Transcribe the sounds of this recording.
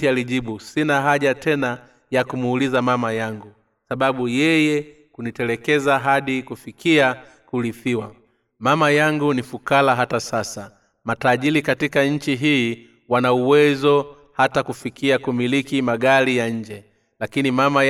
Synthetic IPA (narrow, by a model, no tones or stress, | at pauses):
ialiʄiɓusinaɦaʄatɛna | jakumuːlizamamajaŋɡu | saɓaɓujɛjɛ | kunitɛlɛkɛzaɦaɗikufikia | kuliθiwa | mamajaŋɡunifukalaɦatasasa | mataʄilikatikaɲ̩t͡ʃiɦiː | wanauwɛzɔ | hatakufikiakumilikimaɠaɾijaɲ̩d͡ʒɛ | lakinimama